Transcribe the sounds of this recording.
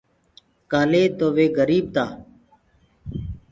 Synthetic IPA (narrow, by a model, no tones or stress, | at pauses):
kaːleːt̪oːʋeːɡəɾiːb̚t̪aː